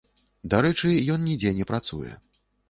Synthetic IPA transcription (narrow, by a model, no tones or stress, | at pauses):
d̪aɾɛt͡ʂɨjɔnnʲid͡zʲɛnʲɛpɾat̪sṵjɛ̰